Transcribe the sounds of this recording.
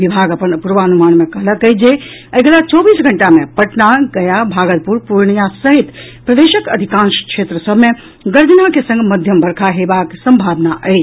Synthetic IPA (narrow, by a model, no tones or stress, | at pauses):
ʋibʱaːɡəpənpuɾʋaːnumaːnmẽkələkəjd͡ʒe | əjɡəlat͡ʃɔbiːsɡʱəɳʈamẽpɐʈnaɡɐjabʱaːɡət̪̚puɾpuɾɳijasəɦit̪pɾəd̪eːʃəkəd̪ʱikãːnʃkʃeːt̪ɾəsəbʱmẽ | ɡəɾd̪inakesə̃ŋɡʱməd̪ʱjəmbəɾkʰaɦebaksə̃mbʱaːbnaʔəːt͡ʃʰ